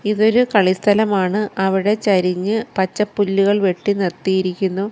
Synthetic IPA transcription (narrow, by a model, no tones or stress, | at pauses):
iðo̞ɾukɐɭist̪ʰɐlɐmaːɳɨɐʋiɽe̞t͡ɕɐɾiɲːɨpɐt͡ɕːɐpːulːuɣɐɭʋe̞ʈːinert̪ːijiɾikʲːunːu